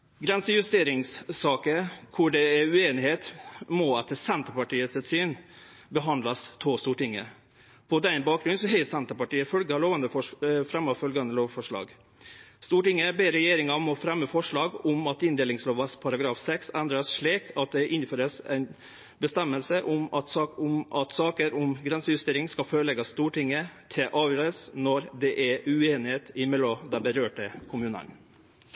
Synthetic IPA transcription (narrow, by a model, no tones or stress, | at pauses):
ɡɾɛnsəjʉst̪eːɾɪŋssɑːkəkʰʊɖɛɛʉeːnɪheːt̪mɔɑt̪̚ːɛsɛnt̪əpɑʈiːəsɛt̪syːn | bəɦɑnd̪lɑst̪ʰɔst̪uːʈɪŋːə̰ | pʰɔd̪ɛnbɑːk̚ɡɾʉnsɔɦɛɪəsɛnt̪əpɑʈiːəfœlɡɑloːʋɑnd̪əfɔfɾɛmːɑfœlɡɑnd̪əloːʋfɔʂɭɑ̰ːɡ | st̪uːʈɪŋːəbeːɾɛjeːɾɪŋɑɔmɔfɾɛmːəfɔʂɭɑːɡɔmɑt̪ɪnd̪eːlɪŋsloːʋɑspʰɑɾɑɡɾɑːfsɛksɛnd̪ɾɑsʂɭiːkʰɑt̪̚d̪ɛʔɪnføːɾəsɛɪn | bəst̪ɛmːəlsəʔʊmɑt̪ːʊmʔɑt̪sɑːkəɾɔmɡɾɛnsəjʉst̪eːɾɪŋskɑføːɾəɭɛɡɑst̪uːʈɪŋːət̪ʰɪlʔɑːʋjøːɾəsnɔɾd̪ɛʔæɾʉeːnɪheːt̪ɪmɛlɔd̪ænbəɾøːʈəkʰʊmʉːnə̰n